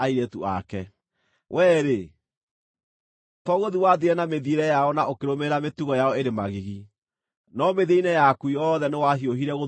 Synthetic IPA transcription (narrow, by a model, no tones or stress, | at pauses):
aiɾɛtuʔa̰kɛ | wʔɛːɾe | tɔɣoðiwaðiɛnameðieɾɛjaɔnaokeɾomeɾametuɣɔjaɔeɾemaɣiɣi | nɔmeðeinɛjakwiɔːðɛnewaɦioɦiɾɛɣo